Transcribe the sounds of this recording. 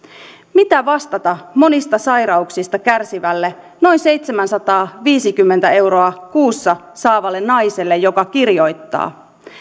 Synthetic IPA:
mit̪æʋɑst̪ɑt̪ɑmo̞nist̪ɑsɑjɾɑuksist̪ɑkærsiʋælːe | no̞inse̞jt̪semænsɑt̪ɑːʋiːsikymːent̪æe̞wɾoɑkuːsːɑ | sɑːʋɑlːe̞nnɑjse̞lːe̞jo̞kɑkirjo̞jt̪ːɑ̰ː

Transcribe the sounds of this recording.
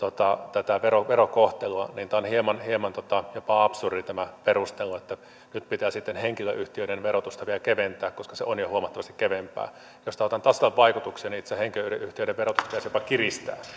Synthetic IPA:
t̪ot̪ɑt̪æt̪æʋeɾoʋeɾokoht̪eluɑniːnt̪æonhiemɑnhiemɑnt̪ot̪ɑjopɑɑpsurit̪æmæperust̪eluet̪ːæ | nyt̪pit̪æːsit̪ːenheŋkiløʔyht̪iøiɾenʋerot̪ust̪ɑʋielækeʋent̪æːkkoskɑseonjohuomɑt̪ːɑʋɑst̪i̥kkeʋempæ̰ː | jost̪ɑot̪ɑnt̪ɑslːɑʋʋɑikut̪ukseːnit̪æsæheŋkiløyɾeʔyht̪iøˑiɾeʋerot̪ust̪ɑpit̪æsjopɑkirist̪æ̰ː

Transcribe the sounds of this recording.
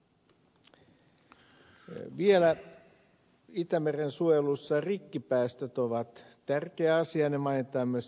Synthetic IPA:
ʋielæ | it̪æmerensuojelusːɑrikːipæːst̪øt̪oʋɑt̪tːærkeæɑsiɑnemɑinet̪ɑːmyøs

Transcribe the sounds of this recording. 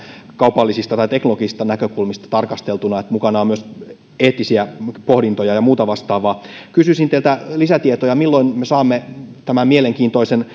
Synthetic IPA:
kɑupɑlːisist̪ɑt̪ɑit̪eknoloɡiist̪ɑnækøkulmist̪ɑ̥t̪ɑrkɑst̪elt̪unɑet̪mukɑnɑomyøs | eːt̪ːˑisiæpohdint̪ojɑjɑmuːt̪ɑʋɑst̪ɑːʋɑkysysint̪elt̪ælisæt̪iet̪ojɑmilːoinmesɑːmːet̪æmæmmieleŋkiːnt̪oisen

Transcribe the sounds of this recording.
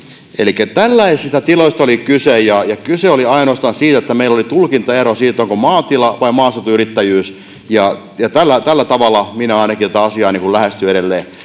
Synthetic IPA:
elikːˑæt̪ælːæisist̪æt̪iloist̪ɑolikysejjɑjɑkyseoliɑinoːst̪ɑːnsiːt̪æet̪ːæmeilːolit̪ulkint̪ɑerosiːt̪ːoŋkomɑːt̪ilɑʋɑimɑːset̪uyrit̪ːæjyːs | jɑ | jɑt̪ælːæt̪ælːæt̪ɑʋɑlːˑɑminæɑinɑkit̪ot̪ɑɑsiɑːniːŋkullæhest̪yeɾelːeː

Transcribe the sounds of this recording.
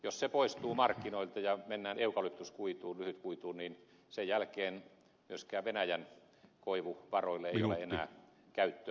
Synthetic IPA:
jossepoist̪uːmɑrkːinoilt̪ɑjɑmenːæːneukɑlypt̪uskuit̪uːlyhyt̪kuit̪uːnin | sejjælkeːn | myøskæːʋʋenæjæn | koiʋuʋɑroilːeeiolḛenæ̰ː | kæyt̪ːø

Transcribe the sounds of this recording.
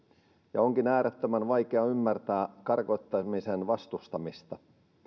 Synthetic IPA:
jɑoŋkinæːɾet̪ːømænʋɑjkeɑymːært̪æːkɑrkoit̪ːɑmisenʋɑst̪ust̪ɑmist̪ɑ

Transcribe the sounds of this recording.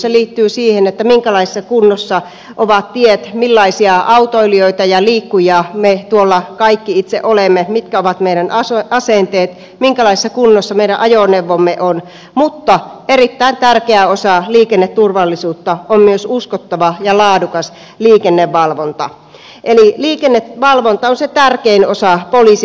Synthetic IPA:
seliːt̪ːyːsiːhenet̪ːæmiŋkælɑisi̥sːɑkunːosːɑ | ʔoʋɑt̪t̪iet̪milːɑisiɑʔɑut̪oilioit̪ɑjɑliːkːujɑmet̪uolːɑkɑikːiit̪sḛʔolemːemit̪kæoʋɑt̪meiɾænɑɑsent̪eːt̪ | miŋkælɑisi̥sːɑkunːosːɑmeiɾæʔɑjoneʋːomːeʔon | mut̪ːɑerit̪ːæint̪ærkeæosɑliːkenːet̪t̪urʋɑlːisuːt̪ːɑommyøsuskot̪ːɑʋɑjɑlɑːdukɑs | liːkenːeʋʋɑlʋont̪ɑ | ʔeliliːkenːet̪ʋɑlʋont̪ɑonset̪ærkeinosɑpolis

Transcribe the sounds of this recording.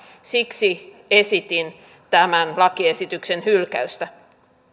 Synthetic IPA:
siksi | esit̪in | t̪æmænlɑkiesit̪yksenhylkæ̰yst̪æ

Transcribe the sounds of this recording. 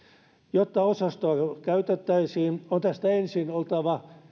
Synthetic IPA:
jot̪ːɑosɑst̪oɑkæyt̪et̪ːæisiːnont̪æst̪æensinolt̪ɑʋɑ

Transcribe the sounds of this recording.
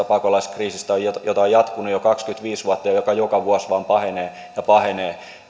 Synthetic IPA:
ɑpɑkolɑiskriːsist̪æojjot̪ɑojjɑt̪kunujokɑkskyt̪ʋiːsʋuɑt̪ːɑjɑjokɑjokɑʋuɑsʋɑːmpɑheneː | jɑpɑheneː

